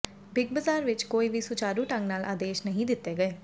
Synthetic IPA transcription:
bɪɡ̚bəzaːɾʋɪt͡ʃkoːiːʋiːsʊt͡ʃaːɾuːʈəŋnaːlʔa̰ːd̪eːʃnəɦĩːd̪ɪt̪ːeːɡəeː

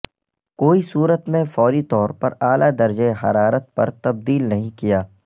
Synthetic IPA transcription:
koːisuːɾət̪mẽfɔːɾit̪ɔːɾpɐɾaːlad̪ɐɾd͡ʒeɦɐɾaːɾət̪̚pɐ̰ɾt̪ɐb̚d̪iːlnɐɦĩkijaː

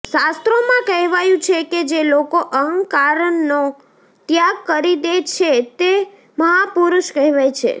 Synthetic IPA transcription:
ʃast̪ɾomãkəɦʋajũt͡ʃʰeked͡ʒelokoʔəŋɡkaɾəɳːo | t̪jaɡkəɾid̪et͡ʃʰet̪e | məɦapuɾuʃkəɦʋajt͡ʃʰḛ

